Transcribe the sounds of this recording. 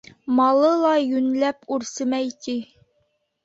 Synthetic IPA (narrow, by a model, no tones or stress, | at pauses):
mɑlˠɤlˠɑjynlæpuɾsɘmɛjt̪ʰi